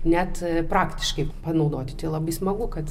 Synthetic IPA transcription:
nʲɛt̪pɾɑːkt̪ʲɪʃkɐɪpɐnɐʊd̪oːt̪ʲɪt̪ʲɪlˠɑːbɐɪsmɐɡʊkɐt̪

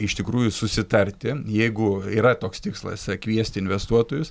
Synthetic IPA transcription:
ɪʃt̪ʲɪkɾuːjʊsʊsʲɪt̪ɐɾʲt̪ʲɪjɛɪɡʊiːɾɐt̪oːkst̪ʲɪkslˠɐ̰skʋʲiɛsʲt̪ʲɪɪnʲʋʲɛst̪uɔt̪oːjʊs

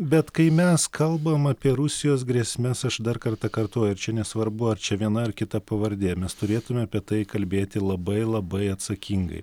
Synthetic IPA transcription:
bʲɛt̪kɐɪmʲɛskʰɐlˠbɐmɐpʲiɛɾʊsʲɪjoːsɡɾʲɛsʲmʲɛsɐʃd̪ɐɾkɐɾt̪ɐkɐɾt̪oːjʊɪɾt͡ʃʲɛnʲɛsʋɐɾbʊɐɾt͡ʃʲɛʋʲiɛnɐɪɾkʲɪt̪ɐpɐʋɐɾʲd̪ʲeːmʲɛst̪ʊɾʲeːt̪ʊmʲɛɐpʲiɛt̪ɐɪkɐlʲbʲeːt̪ʲɪlˠɐbɐɪlˠɐbɐɪɐt̪sɐkʲiŋɡɐ̰ɪ

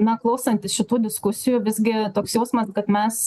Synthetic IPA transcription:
nɐklˠɐʊsɐnʲt̪ʲɪsʃʲɪt̪uːd̪ʲɪskʊsʲɪjuːʋʲɪzʲɡʲɪt̪oːksjɛʊsmɐskɐt̪mʲɛs

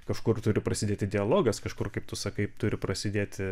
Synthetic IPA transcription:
kɐʃkʊrt̪ʊɾʲɪpɾɐsʲɪd̪ʲeːt̪ʲɪd̪ʲɪɐlˠoːɡɐskɐʃkʊrkɐɪp̚t̪ʊsɐkɐɪpt̪ʊɾʲɪpɾɐsʲɪd̪ʲeːt̪ʲɪ

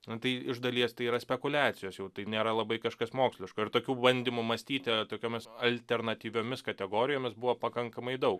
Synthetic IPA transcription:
nʊt̪ɐɪɪʒd̪ɐlʲiɛst̪ɐɪiːɾɐsʲpʲɛkʊlʲæːt̪t͡sʲɪjoːsjɛʊt̪ɐɪnʲeːɾɐlˠɐbɐɪkɐʃkɐsmoːksʲlʲɪʃkʊɪɾt̪oːkʲuːbɐnʲd̪ʲiːmʊmɐsʲt̪ʲiːt̪ʲɪt̪oːkʲoːmʲɪsɐlʲt̪ʲɛrnɐt̪ʲiːʋʲoːmʲɪskɐt̪ʲɛɡoːɾʲɪjoːmʲɪsbʊʋopɐkɐŋkɐmɐɪd̪ɐʊk

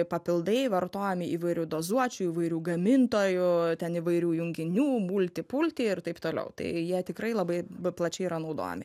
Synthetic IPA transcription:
pɐpʲɪlˠd̪ɐɪʋɐrt̪oːjɛmʲɪiːʋɐɪɾʲʊd̪oːzuɔt͡ʃʲuːiːʋɐɪɾʲuːɡɐmʲɪnt̪oːjʊt̪ʲɛniʋɐɪɾʲuːjʊŋʲɡʲɪnʲuːmuːlʲt̪ʲɪpulʲt̪ʲiːɪrt̪ɐɪpt̪oːlʲɛ̰ʊt̪ɐ̰ɪjiɛt̪ʲɪkɾɐɪlˠɐbɐɪplˠɐt͡ʃʲɛɪiɾɐnɐʊd̪o̰ːjɛ̰mʲɪ

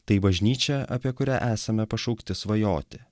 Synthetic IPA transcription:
t̪ɐɪbɐʒʲnʲiːt͡ʃʲɛɐpʲiɛkʊɾʲæːʔæːsɐmʲɛpɐʃɐʊkt̪ʲɪsʋɐjoːt̪ʲɪ

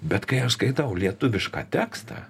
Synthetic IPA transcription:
bʲɛt̪kɐɪɐʃskɐɪt̪ɐʊlʲiɛt̪ʊʋʲɪʃkɑ̰ːt̪ʲæːkst̪ɑ̰ː

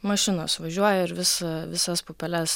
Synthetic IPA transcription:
mɐʃʲɪnoːsʋɐʒʲuɔjɛɪɾʋʲɪsɐʋʲɪsɐspoːpʲɛlʲɛs

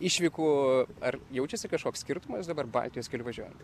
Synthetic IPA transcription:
ɪʃʲʋʲiːkuːɐrjɛʊt͡ʃʲɛsʲɪkɐʃkoːksʲkʲɪɾt̪ʊmɐsd̪ɐbɐrbɐ̰lʲt̪ʲijosʲkʲɛlʲɪʋɐʒʲuɔjɛnt̪

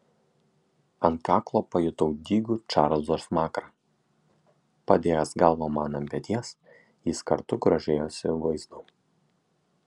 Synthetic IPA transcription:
ɐnt̪̚kɑːklˠoːpɐjʊt̪ɔʊd̪ʲiːɡʊt͡ʃɑːɾlˠzoːsmɑːkɾɑː | pɐd̪ʲeːjɛsɡɐlˠʋoːmɑːnɐmʲpʲɛt̪ʲiɛs | jɪskɐ̰ɾt̪ʊɡɾɐʒʲeːjoːsʲɪʋɐɪzd̪ʊ

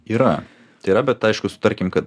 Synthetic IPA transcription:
iːɾɐ | t̪ɐɪiːɾɐbʲɛt̪ɐɪʃkʊsʊ̥t̪ɐɾʲkʲɪmkɐt̪̚

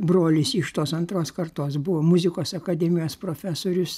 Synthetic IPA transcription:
bɾoːlʲɪsɪʃt̪oːsɐnt̪ɾoːskɐrt̪oːsbʊʋoːmʊzʲɪkoːsɐkɐd̪ʲɛmʲɪjoːspɾoːfʲæsoːɾʲʊs

